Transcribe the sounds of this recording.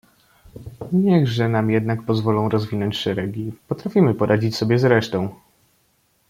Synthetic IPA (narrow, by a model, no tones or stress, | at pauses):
ɲɛɣʐɛnamjɛd̪nak̚pɔzvɔlɔ̃w̃ɾɔzvʲinɔɲt͡ɕʂɛɾɛɡʲipɔt̪ɾafʲimɘpɔɾʔad͡ʑit͡ɕsɔbʲjɛzɾɛʂt̪ɔ̃w̃